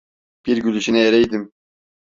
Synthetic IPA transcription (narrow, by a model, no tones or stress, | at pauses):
b̥iɾɟylyʃinɛjeɾɛjd̪im